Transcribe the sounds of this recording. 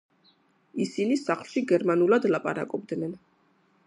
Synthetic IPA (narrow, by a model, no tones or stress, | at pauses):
isinisaχlˠʃiɡɛɾmanulˠad̪lˠapʼa̰ɾa̰kʼɔb̚d̪nɛn